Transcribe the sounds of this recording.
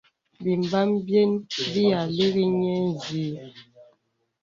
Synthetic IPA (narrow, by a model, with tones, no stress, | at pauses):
bi˨mba˦mbjɛ˦nbi˦ja˨le˦ɣi˦ɲɛ˦n˨zi˨˦